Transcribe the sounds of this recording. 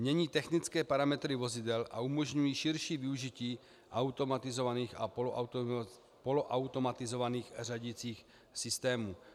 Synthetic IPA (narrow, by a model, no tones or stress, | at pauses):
mɲɛɲiːt̪ɛxnɪt͡skɛːpaɾamɛt̪ɾɪvo̞zɪd̪ɛlʔa̰umoʒɲujiːʃɪɾʃiːvɪuʒiciː | ʔawt̪omat̪ɪzovaniːxa | poloʔawt̪o̞mat̪ɪzo̞vaniːxraɟit͡siːx | sɪst̪ɛːmu